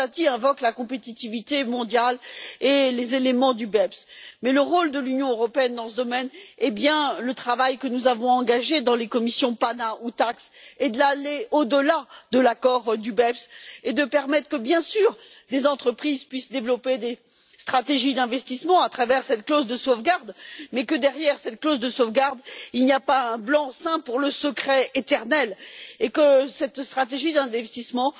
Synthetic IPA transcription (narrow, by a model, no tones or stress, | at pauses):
at̪iɛ̃vɔklakɔ̃pet̪it̪ivit̪emɔ̃d̪jalelezelemɑ̃d̪ybɛpsmɛləʁold̪əlynjɔ̃øʁɔpeɛnd̪ɑ̃səd̪ɔmɛnɛbjɛ̃lət̪χavajkənuzavɔ̃ɑ̃ɡaʒed̪ɑ̃lekɔmisjɔ̃panaut̪aksed̪laleod̪əlad̪əlakɔʁd̪ybɛpsed̪əpɛʁmɛt̪χəkəbjɛ̃syʁ | d̪ezɑ̃t̪χəpχizpɥisd̪evlɔped̪e | st̪χat̪eʒid̪ɛ̃vɛst̪ismɑ̃at̪χavɛʁsɛt̪klozd̪əsovɡaʁd̪mɛkəd̪ɛʁjɛʁsɛt̪klozd̪əsovɡaʁd̪ilnijapaɛ̃blɑ̃sɛ̃puʁləsəkχɛet̪ɛʁnɛlekəsɛt̪st̪χat̪eʒid̪ɛ̃vɛɛst̪ismɑ̃